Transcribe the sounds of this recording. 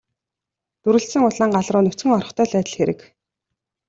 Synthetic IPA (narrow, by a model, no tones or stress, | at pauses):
t̪uɾɘ̆ɬsɘ̆ŋʊɮaːɴɢaɮrʊːnɵt͡sɡɘ̆ŋɔrɞ̆χt̪ʰœːɮæːt̪ə̆ɮxeɾɘ̆k